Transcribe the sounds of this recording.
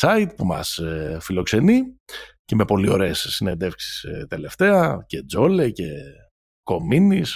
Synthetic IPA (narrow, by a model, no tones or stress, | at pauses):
sɐit̪pumɐ̰sfilo̞kse̞nice̞me̞po̞lio̞̰ɾe̞sːine̞nd̪e̞fksi̥st̪e̞le̞ft̪e̞ɐce̞d͡zo̞le̞ce̞ | ko̞minis